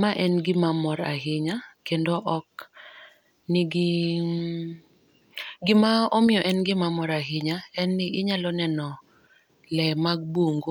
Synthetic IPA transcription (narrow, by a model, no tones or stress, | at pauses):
maʔɛnɡɪmamɔɾa̰ɦɪɲakendoʔɔk | nɪɡɪ | ɡɪmaɔmɪjɔʔɛnɡɪmamɔɾaɦɪɲaɛnːɪɪɲalɔnɛnɔ | lɛmaɡ̚boŋɡo